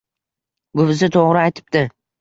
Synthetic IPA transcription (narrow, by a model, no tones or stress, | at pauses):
ɡʊβɪzɪt̪ʰoʁɾɪajt̪ʰɪ̥p̚t̪ɪ